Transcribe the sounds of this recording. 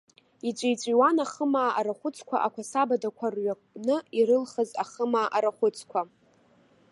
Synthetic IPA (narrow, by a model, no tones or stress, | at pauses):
it͡ɕʷʼejt͡sʷʼiwanaχəmaːʔaɾaχʷʊt͡sʼʰkʷʰa̰ʔakʷʰasabadakʷʰarɥakʷʼnɨiɾɨlχəzaχəmaːʔaɾaχʷʊt͡sʰʼkʷʰa